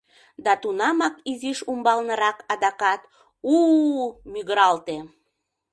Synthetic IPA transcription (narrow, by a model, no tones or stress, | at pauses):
d̪ɑt̪unɑmɑkiziʃumbɑlnə̆ɾɑkɑd̪ɑkɑt̪ | u | myɣəɾɑlt̪e